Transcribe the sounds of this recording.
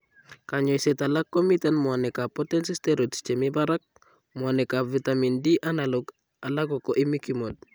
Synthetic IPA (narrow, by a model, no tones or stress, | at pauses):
kaɲojsetalakːomitanmwanekapotensisteɾotst͡ʃemibaɾak̚ | mwanekavitamindiʔanaloɡ | alaɡokoʔimikimod̚